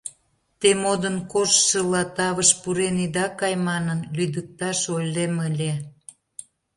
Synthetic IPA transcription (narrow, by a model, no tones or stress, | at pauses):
t̪emod̪ənkoʃʃə̆lɑt̪ɑβəʃpuɾenid̪ɑkɑjmɑnənlyd̪ək̚t̪ɑʃojleməlʲe